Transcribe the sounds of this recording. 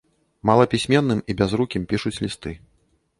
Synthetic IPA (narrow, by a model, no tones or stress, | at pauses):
malˠɐpʲisʲmʲɛnːɨmibʲazɾukʲimpʲiʂut͡sʲlʲist̪ɨ